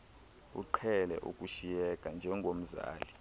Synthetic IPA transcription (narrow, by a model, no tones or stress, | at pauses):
ṵǃʰɛlɛ̰ʔṵkʼuʃijɛkʼand͡ʒʱɛŋɡʱom̩za̰ːli